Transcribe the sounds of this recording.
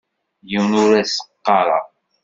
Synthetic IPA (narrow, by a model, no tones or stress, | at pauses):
jiwnʊɾæsə̥qːɑɾˤɑ̰